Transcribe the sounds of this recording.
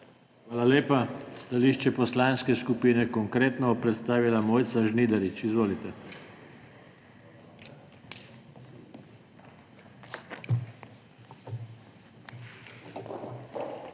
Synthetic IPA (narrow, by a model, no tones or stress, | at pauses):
xʋaːlaleːpast̪aliːʃt͡ʃɛpɔslaːnskɛskupiːnɛkɔŋkɾeːt̪nɔɔpɾɛt̪st̪aːʋilamoːjt̪saʒniːd̪aɾit͡ʃizʋoːlit̪ɛ